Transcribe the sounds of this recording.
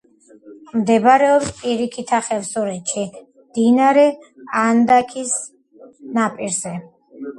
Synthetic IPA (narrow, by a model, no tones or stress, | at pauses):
md̪ɛbaɾɛɔpspʼiɾikʰit̪ʰaχɛvsɔɾɛt͡ʃʰi | md̪̥inaɾɛ | and̪akʰis | napʼiɾzɛ